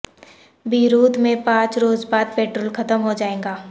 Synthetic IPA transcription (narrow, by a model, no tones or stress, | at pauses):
biːɾuːd̪mẽpãːt͡ʃɾoːzbaːd̪̚peːʈɾoːlkɐt̪əmɦod͡ʒaːẽːŋɡaː